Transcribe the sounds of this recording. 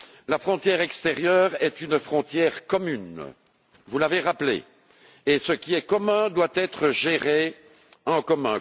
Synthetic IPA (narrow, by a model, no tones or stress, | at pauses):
lafχɔ̃t̪jɛʁɛkst̪eʁjœːʁɛt̪ynfχɔ̃t̪jɛːʁkɔmyn | vulaveʁaplḛː | səkʲiɛkɔmɛ̃d̪wat̪ɛt̪χəʒeʁe | ɑ̃kɔmɛ̰̃